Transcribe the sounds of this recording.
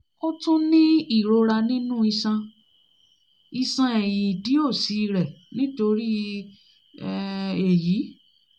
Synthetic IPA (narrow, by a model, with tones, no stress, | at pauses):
o˦tũ˦nĩ˦i˦˨ɾo˧ɾa˧nĩ˦nũ˦i˧sã˧ | i˧sã˧e˨j̃ĩ˨di˨˦o˦˨si˨˦˧ɾɛ˨nĩ˦to˧ɾi˦ | ɛ˧e˨ji˨˦